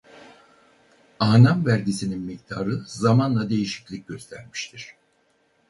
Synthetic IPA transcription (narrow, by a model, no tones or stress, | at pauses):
aːnamvæɾɟisininmic̚t̪ʰaːɾɯzamanlˠad̪e̞jiʃi̥clʲic̚ɟø̞st̪ʰæɾmi̥ʃt̪ʰiɾ̥